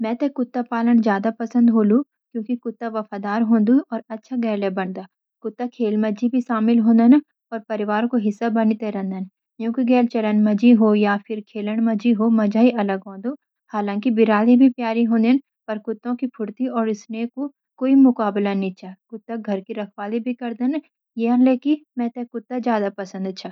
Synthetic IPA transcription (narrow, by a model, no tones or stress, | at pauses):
mɛ̃ːt̪ekʊt̪ːapaːləɽ̃zjaːd̪apɐsə̃nd̪ɦoːlũ | kjõːkikʊt̪ːaʋɐfaːd̪aːɾɦõːnd̪ũʔɔːɾɐtːʃʰaɡɛːlebɐɳd̪aː | kʊt̪ːakʰeːlmɐd͡ʒibʱiʃaːmɪlɦõːnd̪ana | ɔːɾpɐɾɪʋaːɾõkoɦɪsːabɐnit̪eɾɛ̃nd̪ən | kjõːkiɡɛːlt͡ʃɐlənmɐd͡ʒiɦojapʰɪɾkʰeːləɽ̃mɐd͡ʒiɦomɐd͡ʒaːiʔɐləɡɦõːnd̪o | haːlãːŋkibɪɾaːlibʱipjaːɾiɦõːnd̪en | pɐɾkʊt̪ːõkipʰʊɽt̪iɔːɾɪsneko | koːimʊkaːblanĩt͡ʃʰaːkʊt̪ːaɡʱɐɾkiɾɐkʰwaːlibʱikɐɾd̪an | jeənleːkimɛ̃ːt̪ekʊt̪ːazjaːd̪apɐsə̃nd̪ɐt͡ʃʰaː